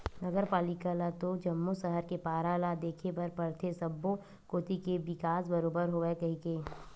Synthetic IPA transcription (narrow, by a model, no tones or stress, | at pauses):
nɐɡəɾpaːlɪkalat̪od͡ʒɐmːusɐɦəɾkepaːɾaːlad̪eːkʰepɐɾpɐɾt̪ʰesɐbːo | koːt̪ikeʋɪkaːsbɐɾoːbəɾɦoːekɐɦikeː